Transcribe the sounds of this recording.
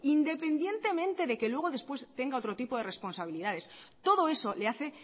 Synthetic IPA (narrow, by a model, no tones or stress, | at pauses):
ind̪e̞pe̞nd̪je̞nt̪e̞mẽ̞nt̪e̞ðe̞ke̞lwe̞ɣ̞oðe̞spwe̞st̪e̞ŋɡao̞t̪ɾo̞t̪ipo̞ð̞e̞re̞spo̞nsaβ̞iliðað̞es | t̪o̞ðo̞e̞so̞le̞aθe̞